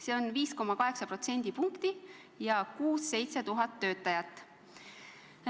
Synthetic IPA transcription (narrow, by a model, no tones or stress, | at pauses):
se̞ːo̞nviːsko̞mːɑkɑɦe̞ksɑpro̞t̪se̞nʲd̪̥ipuŋkt̪i | jɑkuːsːe̞jt̪se̞t̪uɦɑt̪ːø̞ːt̪ːˑɑjɑt̪ːˑ